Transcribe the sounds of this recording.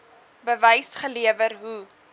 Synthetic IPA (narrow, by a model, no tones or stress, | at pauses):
bəvəjsχəliəvərɦu